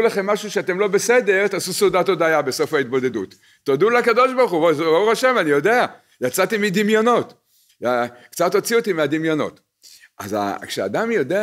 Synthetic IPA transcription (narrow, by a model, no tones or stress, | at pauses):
laχe̞mːaʃuʃeat̪e̞mlo̞besed̪eʁt̪aːsusodat̪o̞d̪ajabe̞so̞fait̪̚bo̞d̪e̞d̪ut̪ː | od̪ulakado̞ʃbaʁχubzbauʁaʃe̞manijo̞d̪e̞a | jat͡sat̪imid̪imjo̞no̞t | akt͡sat̪o̞t͡sio̞t̪imead̪imjo̞no̞̰t̪ | ʔa̰za̰kʃea̰d̪amjo̞d̪e